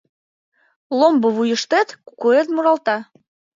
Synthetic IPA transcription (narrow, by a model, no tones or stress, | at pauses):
lombɤ̆βujə̆ʃt̪et̪ku̥kuet̪muɾɑlt̪ɑ